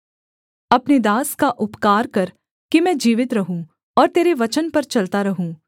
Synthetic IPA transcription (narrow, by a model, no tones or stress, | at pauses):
ɐpned̪aːskaʔʊpkaːɾkɐɾ | kimɛ̃ːd͡ʒiːʋɪt̪ɾɐɦũː | ɔːɾt̪eːɾeʋɐt͡ʃənpɐɾt͡ʃɐlt̪aɾɐɦũː